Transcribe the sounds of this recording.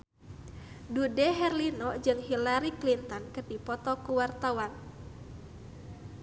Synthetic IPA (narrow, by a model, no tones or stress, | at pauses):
dudɛɦɛrlinɔd͡ʒɨŋɦilaɾiklint̪ɔnkərdipɔt̪ɔkuwart̪awan